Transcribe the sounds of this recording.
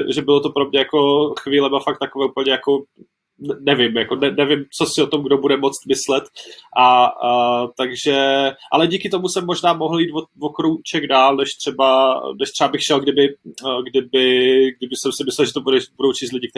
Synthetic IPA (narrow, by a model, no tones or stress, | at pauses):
ɛʒɛbɪlot̪opɾo̞mɲɛjako̞xviːlɛmafak̚t̪ːakovɛːupl̩ɲɛjako̞ | ɛnɛvɪmjako̞nɛnɛvɪmt͡so̞sɪot̪o̞mɡdobudɛmo̞t͡st̪mɪslɛt̪ʔa | t̪aɡʒɛʔa̰lɛɟiːkɪt̪o̞musɛmːo̞ʒnaːmoɦl̩jiːt̪vovokɾowt͡ʃɛɡdaːlnɛʃt̪r̝̥ɛbanɛʃt̪r̥ɛbabɪxʃɛlɡdɪbɪɡdɪbɪɡ̚dɪbɪsɛmsɪmɪslɛlʒɛt̪obudɛbudo̞wt͡ʃiːst̪lɪɟɪkt̪ɛ